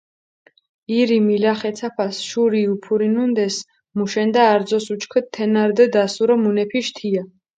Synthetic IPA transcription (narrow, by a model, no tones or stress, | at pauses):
iɾimilaχɛt̪sʰapʰasʃuɾiupʰuɾinund̪ɛs | muʃɛnd̪aːɾd̪zɔsut͡ʃkʰɛtt̪ʰːɛnaɾd̪ɛd̪asuɾɔmunɛpʰiʃt̪ʰia